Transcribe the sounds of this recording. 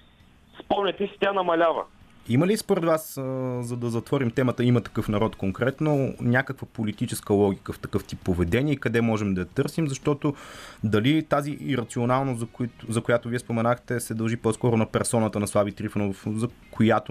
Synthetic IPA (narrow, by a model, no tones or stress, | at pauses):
spɔmnʲɛt̪ɛsi̥t̪ʲanɐmɐlʲavə̰ | iməlispoɾɛd̪vaszɐd̪ɐzɐt̪vɔɾimt̪ɛmət̪əimɐt̪ɐ̥kɤfnɐɾɔt̪koŋkɾɛt̪nonʲakəkvəpolit̪it͡ʃɛskəlˠɔɡʲikəft̪ɐkɤft̪ipːovɛd̪ɛniɛikɐd̪ɛmɔʒɛmd̪ɐɐt̪ɤɾsimzɐʃt̪ɔt̪od̪ɐlit̪aziːɾɐt̪sionalˠnoszzɐkojat̪ʊviɛspomɛnaxt̪ɛsɛd̪ɐlˠʒipɔskɔɾʊnɐpɛɾsɔnət̪ənɐslˠabit̪ɾifənofzɐkʰojat̪ʊ